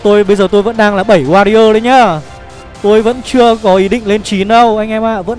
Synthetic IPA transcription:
t̪o˧jɓə˧jzəː˨˩t̪o˧jvə̰˧˥nɗaː˧ŋlaː˨˩ɓə˧˩jwaː˧ɾi˧ʔəː˧ɗə˨˦jɲaː˧˩ | t̪o˧jvə̰˧˥nt͡ɕɨ˧əkɔ˨˦ʔi˨˦ɗḭ̈˧˨ŋ̟le˧nt͡ɕi˨˦nɗə˧wʔa˧jŋ̟ʔɛ˧ma̰ː˧˨və̰˧˥n

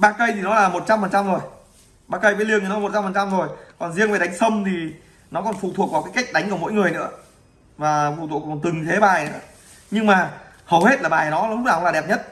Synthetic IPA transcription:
ɓaː˧kə˧jt̪ʰi˨˩nɔ˨˦laː˨˩mo˨˩t̚t͡ɕa˧mfə˨˩nt͡ɕa˧mzo˨˩j | ɓaː˧˩kə˧jɓəː˨˦jli˧ənk̪ːnɔ˦˨˩t̚t͡ɕa˧mfə˨˩nt͡ɕa˧mzo˨˩jkɔ˨˩nzi˧əŋva˨˩ɗa˨˦jŋ̟sə˧mt̪ʰi˨˩ | nɔ˨˦kɔ˨˩nfṵ˨˧˨t̪ʰu˨˩ək̚vaː˨˩kaː˨˦jka˦˥jk̟̚ɗa˨˦jŋ̟ku˧˩mo̰˧˥jŋɨ˨˩əjnɨ̰˧˥ə | vaː˨˩fṵ˧˩t̪ʰṵ˧˨˩kɔ˨˩nt̪ɨ˨˩ŋt̪ʰe˨˦ɓaː˨˩jnɨ̰˧˥ə | ɲɨ˧ŋmaː˨˩ | hə˨˩whe˦˥t̚la˨˩ɓaː˨˩jnɔ˨˦˨hʊ˦˥ŋ͡maː˧˩˨laː˨˩ɗɛ˨˩p̚ɲə˦˥t̚

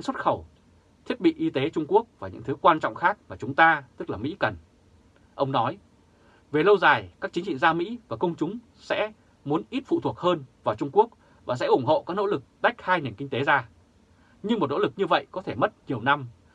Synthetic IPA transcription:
ŋswt̚xə˧˩w | t̪ʰi˦˥t̚ɓḭ˧˨ʔi˧t̪e˨˦t͡ɕʊ˧ŋ͡mku˦˥ək̚vaː˨˩ɲɨ̰˧˥ŋt̪ʰɨ˨˦kwaː˧nt͡ɕɔ̰˧˨wŋ͡mxaː˦˥k̚maː˨˩t͡ɕʊ˨˦ŋ͡mt̪aː˧t̪ɨ˦˥k̚laː˨˩mḭ˧˥kə˨˩n | ʔə˧wŋ͡mnɔ˨˦j | ve˨˩lə˧wzaː˨˩jkaː˦˥k̚i˨˦ŋt͡ɕḭ˧˨ŋzaː˧mḭ˧˥vaː˨˩kə˧wŋ͡mt͡ɕʊ˨˦ŋ͡m | sɛ̰˧˥ | mu˨˦ənʔi˦˥t̚fṵ˧˨t̪ʰu˨˩ək̚həː˧nvaː˨˩wt͡ɕʊ˧ŋ͡mku˦˥ək̚ | vaː˨˩sɛ̰˧˥ʔʊ˧˩ŋ͡mho̰˧˨kaː˦˥k̚no˧˥lɨ˨˩k̚ɗa˦˥jk̟̚haː˧jne˨˩nkï˧ŋ̟t̪e˨˦zaː˧ | ɲɨ˧ŋm˨˩t̚no̰˧˥lɨ˨˩k̚ɲɨ˧və̰˧˨jkɔ˨˦t̪ʰe˧˩mə˦˥t̚ɲi˨˩əwna˧m

